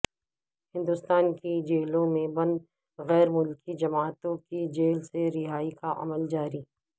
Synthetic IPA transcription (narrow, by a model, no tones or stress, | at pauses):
hɪ̃nd̪ʊst̪aːnkid͡ʒeːlõmẽbɐ̃nd̪ | ɣɛːɾmʊlkid͡ʒɐmaːt̪õkid͡ʒeːlseɾɪɦaːikaʔɐ̰məld͡ʒaːɾiː